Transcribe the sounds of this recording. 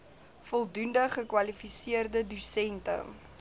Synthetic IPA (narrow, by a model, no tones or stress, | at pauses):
fɔlˠdundəχəkwɐlifisiərdədusɛntə̰